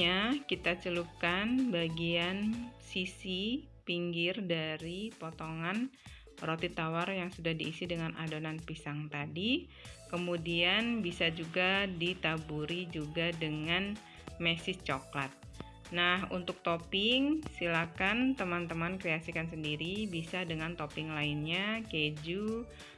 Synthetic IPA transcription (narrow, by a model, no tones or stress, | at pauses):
akit̪at͡ʃəlukanbaɡiansisi | piŋɡɪrdaɾipot̪oŋan | rot̪it̪awarjaŋsudahdiːsidəŋanʔa̰donanpisaŋt̪adi | kəmudianbisad͡ʒuɡadit̪abuɾid͡ʒuɡadəŋan | mɛsɪst͡ʃoklat̪̚ | nahṵnt̪ʊk̚t̪opɪŋsilakant̪əmant̪əmankɾeasikans̬əndiɾibisadəŋant̪opɪŋlaɪnɲaked͡ʒu